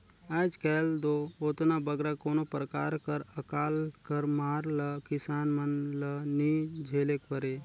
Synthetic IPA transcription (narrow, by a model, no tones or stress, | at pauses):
aːd͡ʒkɛːld̪ooːt̪nabəɡɾakoːnopɾəkaːɾkəɾəkaːlkəɾmaːɾləkɪsaːnmənlənid͡ʒʱeːlekbəɾeː